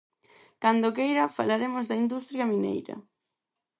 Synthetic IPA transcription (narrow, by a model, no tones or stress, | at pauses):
kand̪okejɾɐfalaɾemozðɐind̪ust̪ɾjɐminḛjɾɐ̰